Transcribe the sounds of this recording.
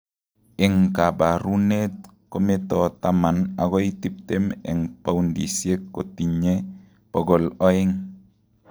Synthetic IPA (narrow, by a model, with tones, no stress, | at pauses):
ɪ˨ŋka˨ba˨ɾu˦net̚ | kɔmetɔ˨tama˨naɡɔitip̚tɛmɛ̰ŋpa˦undḭ˨sie˦kːo˨ti˨ɲe | b̥ɔɡɔ˨lɔ˦ɪ˦ŋ